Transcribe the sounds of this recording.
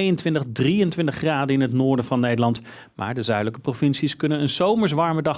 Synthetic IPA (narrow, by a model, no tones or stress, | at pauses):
jəntʋɪntəχdrijəntʋɪntəχraːdəɪnɦətnʊːɹdəvɑnːejdəlɑnt | mʔa̰ːɹdəzœɥdələkə̥provɪnsiskɵnənənzowməɹs̬ʋɑɹmədɑχ